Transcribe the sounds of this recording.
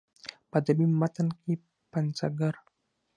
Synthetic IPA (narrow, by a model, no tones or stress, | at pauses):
pad̪abimːat̪anki | pansaɡar